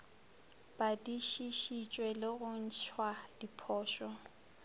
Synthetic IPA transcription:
b̥adiʃiʃit͡ʃʼwɛlɪɣʊn̩t͡ʃʰwadipʰɔːʃɔ

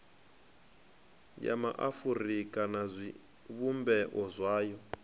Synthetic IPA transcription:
ja̰ma̰ʔafurikʼanazʷi | βumbɛʔɔzʷwaːjɔ

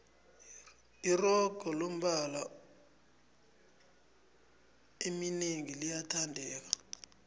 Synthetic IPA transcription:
irɔɡ̥ʱɔlom̩ɓala | emineŋilijatʰandʱɛːk̬a

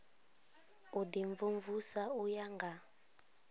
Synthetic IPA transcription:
udiɱvuɱvusaujaŋɡa

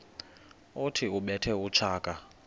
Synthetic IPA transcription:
utʰiuɓɛtʰɛut͡ʃʰaːkʼa

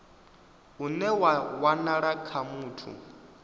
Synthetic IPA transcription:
unɛwawanaɺakʰamuːtʰṵ

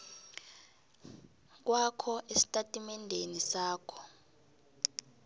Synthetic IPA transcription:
k̬wakʰɔʔesi̥tʼatʼimɛndʱenisaːkʰɔ̥

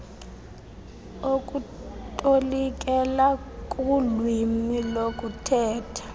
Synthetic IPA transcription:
okʼutʼolik̬ʼɛlakʼulwimilokʼutʰɛːtʰḁ

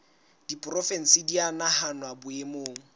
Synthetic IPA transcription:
d̥ipʼrɔfɛn̩sɪdianahanwabʊemoːŋ̩

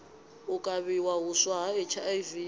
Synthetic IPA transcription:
ʊkʼaβiwaɦʊswaɦaɪt͡ʃʰajvi

